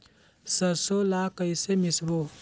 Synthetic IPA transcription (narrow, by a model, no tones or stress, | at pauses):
sɐɾsolaːkəjsemɪsbo